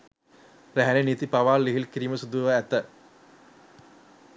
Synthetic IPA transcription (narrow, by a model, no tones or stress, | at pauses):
ɾæɦænenit̪ipaʋaːlːiɦilkiɾiːməsud̪uʋəæt̪ə